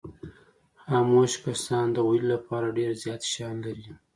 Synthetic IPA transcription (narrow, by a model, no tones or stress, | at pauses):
hamoʃkasɑnd̪əwillapɑɾaɖeɾzjɑt̪ʃɑnlaɾi